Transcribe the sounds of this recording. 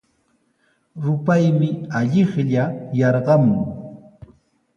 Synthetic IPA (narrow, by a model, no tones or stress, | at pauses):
ɾʊpajmɪaʎɪχʎajɑɾɢɑmʊŋ